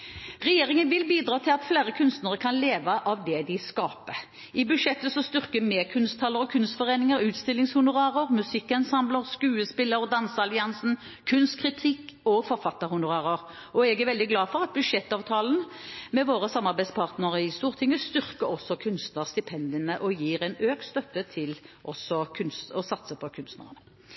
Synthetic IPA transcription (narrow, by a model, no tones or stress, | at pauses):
ʁɛjeːɾɪŋənʋɪlbiːd̪ɾɑːt̪ʰɪlɑt̪fleːɾəkʰʉnst̪nəʁəkʰɑnleːʋəʔɑʋd̪ɛd̪ɪskɑːpə | ɪbʉd̪ʂɛt̪ːəsɔst̪ʏʁkəmɛːkʰʉnst̪ʰɑləɾɔkʰʉnst̪fɔʁeːnɪŋəɾʉːt̪st̪ɪlːɪŋshʊnʊʁɑːʁəʁmʉsɪkːɛnsɑmləʁskʉːəspɪlːəɾd̪ɑnsəɑlɪɑnsn̩ | kʰʉnst̪kʰʁɪt̪ʰɪkːɔfɔʁfɑt̪ːəʁɾhʊnʊʁɑːʁəʁ | ɔɛɡæʁɾʋɛld̪ɪɡlɑːfɔʁɑt̪̚bʉd̪ʂɛt̪ːɑːʋt̪ʰɑːln̩mɛʋoːʁəsɑmːɑʁbæɪspʰɑːʁt̪nəʁəɪst̪uːʁt̪ʰɪŋːəst̪ʏʁkəɾɔsːɔkʰʉnst̪nəʁst̪ɪpʰɛnd̪ɪənəʔɔjiːʁɛɪnøːkt̪st̪œfət̪ʰɪlʔɔsɔkʰʉnst̪ɔsɑt̪səpʰɔkʰʉnst̪nə̰ʁənə